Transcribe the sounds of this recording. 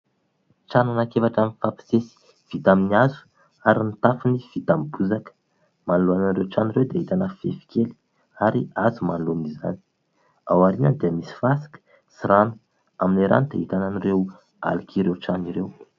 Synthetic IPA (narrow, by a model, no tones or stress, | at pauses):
ʈ͡ʂananakevaʈ͡ʂaminfapi̥sesi̥ | v̥it̪aminiazu̥ | aɾinit̪afuniv̥it̪ambuzakə̥ | manluananrewʈ͡ʂaniɾewd̪eit̪anəfefi̥keli̥ | aɾiazumanluniza̰ni̥ | a̰waɾinənd̪eəmisi̥fasi̥kə̥ | siɾanu̥ | aminiɾa̰nid̪eit̪ananire | a̰likiɾewʈ͡ʂaniɾew